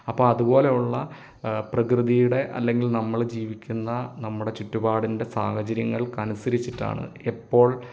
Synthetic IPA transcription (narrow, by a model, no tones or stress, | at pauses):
ɐpːoːɭɐðubo̞ːle̞juɭːɐ | prɐkrɨðijuɽe̞ʔɐ̰lːe̞ŋɡilnɐmːɐɭd͡ʑiːʋikʲːunːɐnɐmːuɽe̞t͡ɕutːubaːɽinde̞saːhɐt͡ɕɐɾjɐŋːɐɭkɐnusɐɾit͡ɕːiʈːa̰ːɳɨ̰epːo̞ːɭ